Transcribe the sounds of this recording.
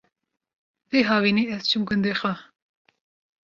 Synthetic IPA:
veːɦɑːviniːɛz̥t͡ʃʰɨmɡɨnd̪eːxɛ

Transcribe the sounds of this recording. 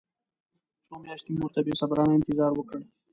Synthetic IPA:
soːmjɑːʃt̪imuɾt̪abesɐbɾɑːnaɪnt̪ɪzɑːɾwəkəɽ

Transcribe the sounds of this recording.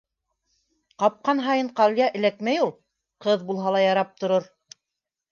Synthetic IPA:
qɑp̚qɑnɦɑjɤɴqɑlʲjɑʔɘ̆lækmæjulˠ | qɤðbulˠɦɑlˠɑjɑɾɑp̚t̪ŏɾoɾ

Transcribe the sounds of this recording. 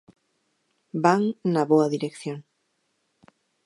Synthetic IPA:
baŋnaβoaðiɾekθjoŋ

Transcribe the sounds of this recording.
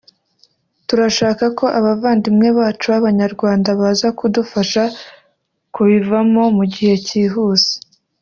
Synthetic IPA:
tuɾaʃaːkako̞ʔaβavaːndimŋe̞βaːt͡ʃuβaβaɲaɾɡwaːndaβaːzakudufaʃa | kuβivamo̞muɟihe̞ciːɦuːz̥e̥

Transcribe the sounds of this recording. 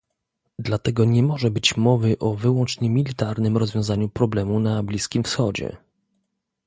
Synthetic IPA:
d̪lat̪ɛɡɔɲɛmɔʐɛbɘt͡ɕmɔvɘʔɔvɘwɔnt͡ʂɲɛmʲilʲit̪aɾnɘmɾɔzvʲjɔ̃w̃zaɲupɾɔblɛmunablʲiskʲimfsxɔd͡ʑɛ̰

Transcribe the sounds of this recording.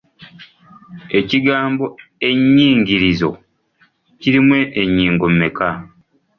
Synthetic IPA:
e̞ciɡaːmbo̞e̞ɲːiːŋɟiɾizo̞̰ | ciɾimwe̞ʔːɲːiːŋɡomːe̞ka

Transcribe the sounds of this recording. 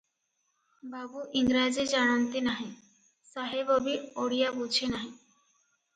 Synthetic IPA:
babuʔiŋɾad͡ʑed͡ʑaɽ̃ont̪enaɦẽ | saɦebobioɽijabut͡ɕʰenaɦẽ

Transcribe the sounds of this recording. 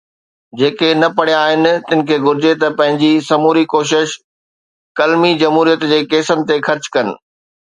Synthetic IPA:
d͡ʑeːkenɐpɐɽijãaːɦɪnɪ̆t̪ɪnɪ̆kʰeːɡʊɾɪd͡ʑet̪ɐpɐ̃ɦɪ̃ɲd͡ʑisɐmuːɾikoːʃ̬ɪʃ | kɐlmid͡ʑɐmɦuːɾijət̪d͡ʑeːkeːsənɪ̆t̪exɐɾt͡ɕkɐnɪ̆

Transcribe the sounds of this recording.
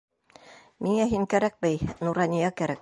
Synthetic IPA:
miŋæɦiŋkæɾæk̚bɘjnuɾɑnʲijɑkæɾæk̚

